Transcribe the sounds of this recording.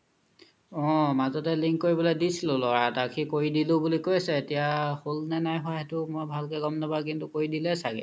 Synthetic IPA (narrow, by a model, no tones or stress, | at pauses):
ɔ̃mazɔtɛliŋkkːoɹibɔlɔjdisilõlɔɹatakʰikoɹidilʊ̃bulikojsɛetijaholnɛnajɦɔetʊmojbʱalkɛɡɔmnabak̬intʊkoɹidilɛsaɡɛ̰